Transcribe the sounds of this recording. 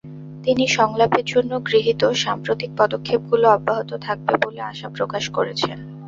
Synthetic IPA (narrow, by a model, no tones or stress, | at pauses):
t̪iniʃɔŋlapeɾd͡ʑonːoɡɾiɦit̪oʃampɾot̪ik̚pɔd̪okʰːeb̚ɡuloɔbːaɦot̪ot̪ʰak̚beboleaʃapɾokaʃkoɾet͡ɕʰen